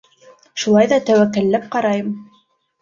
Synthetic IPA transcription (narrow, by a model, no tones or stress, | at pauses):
ʃulˠɑjðɑt̪æwækːælːæp̚qɑɾɑjɤm